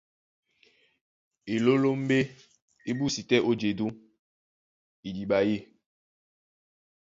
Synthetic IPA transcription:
e˨lo˦lo˦m̩˦be˦ | i˦bu˦si˨tɛ˦ʔo˦d͡ʒe˨du˦ | i˨di˨ɓa˨je˦

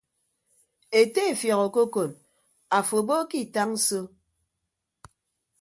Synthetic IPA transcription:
e˨te˦˨fjɔ˨ɣo˨ko˦ko˨n | a˨fo˨bo˦ki˦˨ta˦ŋ̩˦so˦

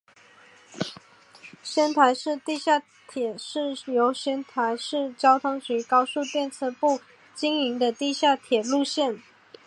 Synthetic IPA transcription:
ɕə˥nt̪ʰwa˧˥ɪʂɻ̩˥˧t̪i˥˧ɕja˥˩ | t̪ʰjɛ˨˩ʂɻ̩˥˩jo˧˥ʊɕə˥nt̪ʰwa˧˥ɪʂɻ̩˥˩t͡ɕjɑ˥ʊt̪ʰʊ˥ŋɕi˧˥kɑ˥ʊsu˥˧t̪jɛ˥˧nt͡sʰɤ˥˧pu˥˩ | t͡ɕi˥ŋi˧˥ŋd̪ə˧t̪i˥˧ɕja˥˩t̪ʰjɛ˨˩lu˥˧ɕjɛ˥˩n

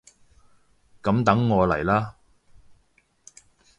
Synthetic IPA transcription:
kɐ˨˥mt̪ɐ˨˥ŋːɔː˨˧lɐ̰˨˩jlaː˥

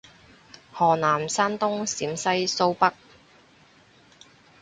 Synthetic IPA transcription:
hɔː˨˩naː˨˩msaː˥nt̪ʊ˥ŋsiː˨˥msɐ˥jso˥wpɐ˥k̚

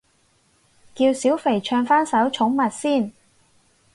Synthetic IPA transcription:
kiː˧wsiː˨˥wfe˨˩jt͡ʃʰœː˧ŋfaː˥nsɐ˨˥wt͡ʃʰʊ˨˥ŋmɐ˨t̚siː˥˩n

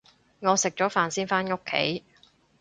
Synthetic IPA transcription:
ŋɔː˨˧sɪ˨k̚t͡ʃɔː˨˥faː˨nsiː˥nfaː˥nŋʊ˥kʰːḛ˨˥j

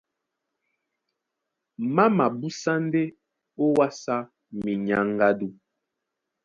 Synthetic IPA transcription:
ma˦ma˨bu˦sa˦n˦de˦ | o˦wa˦sa˦ | mi˨ɲa˨˦ŋ˦ɡa˦du˦

